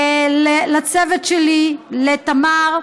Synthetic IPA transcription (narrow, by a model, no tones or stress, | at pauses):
lelat͡sevet̪ʃelilet̪amaʁ